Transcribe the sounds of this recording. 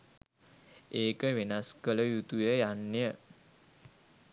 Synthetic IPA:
ʔeːkəʋenaskələjut̪ujəjanːjə

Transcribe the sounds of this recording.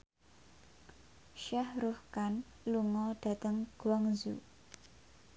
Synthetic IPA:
ʃahɾufkan | luŋɔɖ̥a̤t̪əŋɡ̥waŋzṵ

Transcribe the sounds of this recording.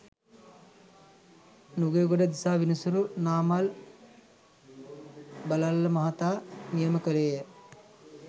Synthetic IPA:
nuɡejɡoɖəd̪isaːʋinəsuɾunaːmal | balalːəmɐɦat̪aːnijəməkəleːjə

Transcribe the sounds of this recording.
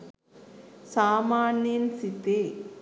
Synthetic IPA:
saːmaːninsit̪ːe

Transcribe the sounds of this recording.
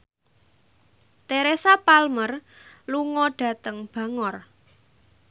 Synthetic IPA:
t̪eɾesapalmərluŋɔɖ̥a̤t̪əŋb̥ä̤ŋɔr

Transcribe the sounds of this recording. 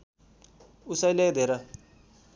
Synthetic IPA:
usajlɛd̪ɛɾa

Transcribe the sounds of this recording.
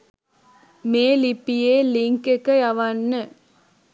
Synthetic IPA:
meːlipːijeːliŋkekːɐɐʋɐnːɯ

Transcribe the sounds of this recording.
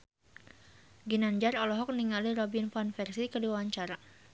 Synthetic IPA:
ɡinaɲd͡ʒarɔlɔɦɔk̚niŋaliɾɔbinfanfɛrsikədiwawaɲt͡ʃaɾa

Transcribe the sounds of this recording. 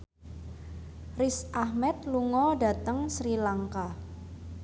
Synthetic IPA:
rɪsʔahmɛt̪̚luŋɔɖa̤t̪əŋsɾilaŋka

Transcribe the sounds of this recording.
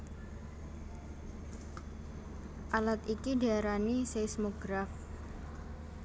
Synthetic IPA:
ʔalat̪ikiɖaɾanisesmoɡ̥ɾaf

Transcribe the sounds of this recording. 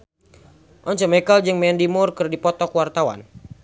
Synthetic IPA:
ʔɔɲt͡ʃɔmɛkald͡ʒɨŋmɛndimurkɨrdipɔt̪ɔkwart̪awa̰n

